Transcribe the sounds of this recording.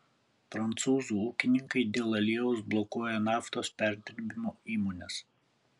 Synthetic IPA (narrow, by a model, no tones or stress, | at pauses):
pɾɐnt̪suːzuːuːkʲɪnʲɪŋkɐɪd̪ʲeːlˠɐlʲiɛʋʊsblˠɔkuɔjɛnɑːft̪oːspʲæˑɾʲd̪ʲɾʲbʲɪmoːiːmoːnʲɛs